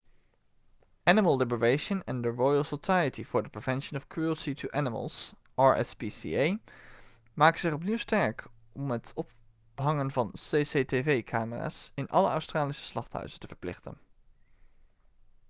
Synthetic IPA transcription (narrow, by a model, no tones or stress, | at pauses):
ænɪməlˠlɪbəɹejʃənɛ̃ndəɹɔjəlˠsosajətivʊːɹdəpɹev̥ɛnʃənɔfkʰɹuəlˠsitʰuʔænɪmə̰lˠs | ʔɑːɹɛ̰spisḭej | maːkəzɪχɔpniwstɛɹk | ɔmətʰɔp̚ | ɦɑŋənvɑnseːsetevejkʰaːməra̰ːsɪnʔɑ̰lə̰œ̰wstraːlisə̥slɑχthɦœ̰ɥzəntəv̥əɹplɪ̰χtə̰n